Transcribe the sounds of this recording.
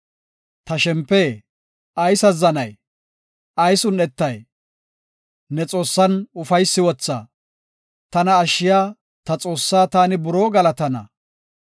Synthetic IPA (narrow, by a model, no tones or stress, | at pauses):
t̪ɐʃɛmpːeː | ʔɐjsɐzɐnɐj | ʔɐjsʊnɛt̪ːɐj | nɛt͡sʼo̞ːsːɐnʊfɐjsːɪwɔt͡sːa̰ː | t̪ɐnɐːʃːɪjaː | t̪ɐt͡sʼo̞ːsːaːt̪aːnɪbʊɾo̞ːɡɐlɐt̪ɐnɐ̰